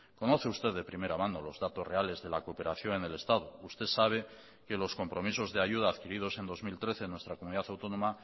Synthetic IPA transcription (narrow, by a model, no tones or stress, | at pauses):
ko̞no̞θe̞ust̪e̞ððe̞pɾime̞ɾamãno̞lo̞zðat̪o̞sre̞ale̞zðe̞lakope̞ɾaθjo̞ŋene̞le̞st̪aðoust̪e̞saβ̞e | ke̞lo̞sko̞mpɾo̞miso̞zðe̞aʝuð̞aːðkiɾið̞o̞se̞nd̪o̞zmilt̪ɾe̞θe̞nwe̞st̪ɾakomuniðaθawt̪o̞nõ̞ma